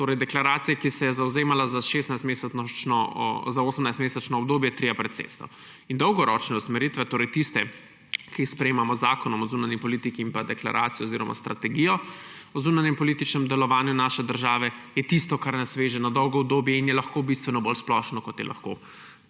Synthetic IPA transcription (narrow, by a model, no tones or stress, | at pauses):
t̪oːɾɛjd̪ɛklaɾaːt̪sijakisɛjɛzawzeːmalazaʃeːst̪najst̪mesɛnɔzaoːsəmnajst̪meːsɛt͡ʃnɔːbd̪oːbjɛt̪ɾijapɾɛt̪sḛːst̪ɔ̰ | ind̪ɔwɡɔɾɔt͡ʃnɛusmɛɾiːt̪ʋɛt̪oːɾɛjt̪ist̪ɛ | kispɾɛjeːmamɔzaːkɔnɔmɔzuːnanjipɔlit̪ikiĩmpad̪ɛkla̰ɾʔa̰ːt̪sijɔziːɾɔmʔa̰st̪ɾat̪ɛɡijɔ | ɔzuːnanjɛmpɔlit̪it͡ʃnɛmd̪ɛlɔʋaːnjunaːʃɛd̪əɾʒaːʋɛjɛt̪ist̪ɔkaɾnasʋeʒɛnɔd̪ɔwɡɔɔbd̪oːbjɛinjɛlɐxkobist̪ʋɛnɔbolsplɔːʃnɔkɔt̪jɛ̰lʔa̰xko̰ː